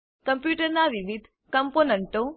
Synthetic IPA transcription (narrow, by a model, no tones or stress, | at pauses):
kəmpjuʈəɾnaʋiʋid̪ʱ | kəmponəɳʈõ